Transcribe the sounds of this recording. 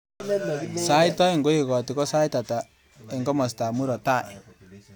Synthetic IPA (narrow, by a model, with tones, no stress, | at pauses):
sa˦jtɔ˦i˨ŋɡo˦i˨kɔ˨ti˨kɔ˦sa˦jta˨ta˨ | ɪ˨ŋɡɔ˦mɔ˨s̬ta˨mu˦ɾɔ˨ta˦˨j